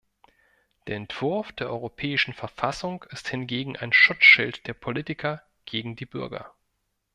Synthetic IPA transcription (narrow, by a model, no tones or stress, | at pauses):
d̥eːɐɛntv̥ʊɐfd̥eːɐʔɔʏʁopʰɛːɪʃn̩fɛɐfasʊŋkɪsthɪnɡeːɡŋ̩ʔa̰ɪnʃʊt͡sʃɪltd̥eːɐpʰoliːtɪkʰɐ | ɡ̥eːɡŋ̩diːbʏɐɡɐ̰